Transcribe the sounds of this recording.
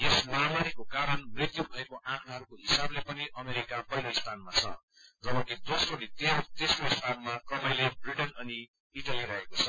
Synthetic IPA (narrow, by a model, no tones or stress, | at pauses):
esmamaɾikokaɾʌnmrit̪jubʱʌekoʔãkʰnaɦʌɾukoɦisablepʌniʔʌmeɾikapʌɦiloist̪ʰanmat͡sʰʌ | d͡zʌbʌkid̪osronit̪et̪esroist̪ʰanmakʌmʌjlebriʈʌnʌni | iʈaliɾʌɦekot͡sʰʌ